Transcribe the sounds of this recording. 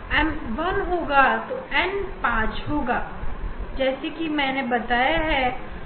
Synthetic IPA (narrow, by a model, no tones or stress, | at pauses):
ɛ̃ʋɐnɦoːɡat̪oɛ̃npãːt͡ʃɦoːɡaːd͡ʒɛːsekimɛ̃ːnebɐt̪aːjaɦɛː